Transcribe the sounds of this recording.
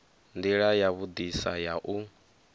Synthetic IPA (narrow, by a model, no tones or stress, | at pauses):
nd̪iɺajaβud̪isa̰jaʔu